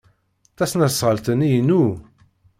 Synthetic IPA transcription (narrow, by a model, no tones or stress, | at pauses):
θæsnæsːˤʁəlt̪ənijənu